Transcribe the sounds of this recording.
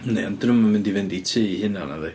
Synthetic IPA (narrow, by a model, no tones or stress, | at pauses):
nejɔndrəmːamɪndivɛnditʰɨːihɪnana̰ðɛ